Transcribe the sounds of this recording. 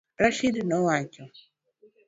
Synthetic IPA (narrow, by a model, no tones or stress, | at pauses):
ɾaʃidnɔwacɔ